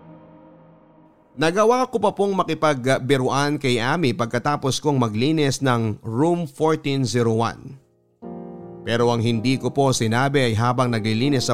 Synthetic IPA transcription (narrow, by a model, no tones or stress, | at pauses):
nɐɡɐwakopɐpoŋmɐkɪpɐɡbɪɾʊʔankɐjʔaːmipɐɡ̚kɐt̪aːposkoŋmɐɡliːnɛsnɐŋɹumfoɹt̪inziɾowa̰n | pɛːɾo̞ʔɐŋɦɪnd̪iːkopo̞sɪnaːbɪɐjɦaːbɐŋnɐɡlɪliːnɛsːɐ